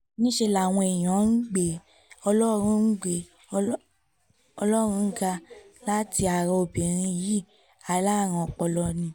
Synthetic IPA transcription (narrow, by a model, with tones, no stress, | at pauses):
nĩ˦ʃe˧la˨w̃ɔ̃˧e˨j̃ɔ̃˨˦n̩˦ɡ͡be˨ | ɔ˧lɔ˦ɾ̃ũ˧˦n̩˦ɡ͡be˨˧˦ | ɔ˧lɔ˦ɾ̃ũ˧˦˧ɡa˧la˦ti˧a˨ɾɔ˧o˧bĩ˨ɾ̃ĩ˧ji˨˦˨ | a˨˧la˦˨ɾ̃ɔ̃˧ɔ˧k͡pɔ˧lɔ˧nĩ˧